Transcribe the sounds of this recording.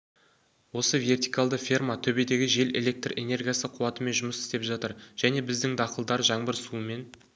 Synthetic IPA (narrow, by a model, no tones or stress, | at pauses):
wo̞səve̞rt̪ijkalˠd̪əfʲermat̪ʰɵbe̞d̪e̞ɡʲɪʒe̞le̞̰lʲe̞k̚t̪re̞ne̞rɡʲijasəqʰuwɑt̪əme̞nʒʊməsɪ̥st̪e̞pʒɑt̪əɾʒ̥æne̞bɪzd̪ɪŋd̪ɑqəlˠd̪ɑɾʒɑɴbəɾsuəme̞n